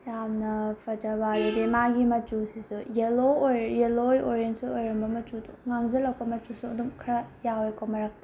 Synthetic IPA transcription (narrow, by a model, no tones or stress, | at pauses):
jamnɐpʰɐd͡ʒɐbaɾidimaɡimɐtusisujelojjelojoɾensuojɾɐmbɐmɐt͡ʃudṵŋaŋd͡ʒɐlɐwpɐmɐtusuɐduŋkʰɾɐjawojkomɐɾak̚ti